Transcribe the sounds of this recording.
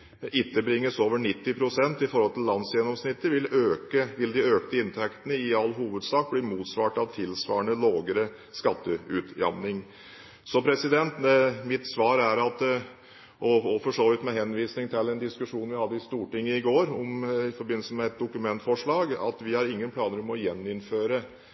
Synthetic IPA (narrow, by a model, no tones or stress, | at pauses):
ɪt̪ːəbɾɪŋːəsoːʋəɳɪt̪ːɪpʰɾʊsɛnt̪ɪfɔɾhɔlt̪ʰɪlːɑnsjɛnːɔmsnɪt̪ːəɾʋɪløːkəʋɪld̪ɪøːkt̪əɪnt̪ʰɛkt̪ənəɪɑlːɦuːʋəd̪sɑːk̚bliːmuːt̪sʋɑːʈɑʋt̪ʰɪlsʋɑ̰ːəɳəloːɡəɾə | skɑt̪ːəʉːt̪jɑ̰mnɪŋ | sɔpʰɾɛsɪd̪ɛnt̪mɪt̪sʋɑːɾæɾɑt̪ | ʔɔɔfɔʂoːʋɪt̪mɛɦɛnːʋiːsnɪŋt̪ʰɪlːɛnd̪ɪskʉʂuːnnʋɪhɑd̪ːəɪst̪uːʈɪŋːəɪɡoːɾɔmɪfɔɾbɪnːəsəmɛɛt̪̚d̪ʊkʉmɛnt̪fɔʂɭɑːɡɑ̰t̪ʋɪhɑɾɪŋːənpʰlɑːnəɾɔmɔjɛnːɪnføːɾə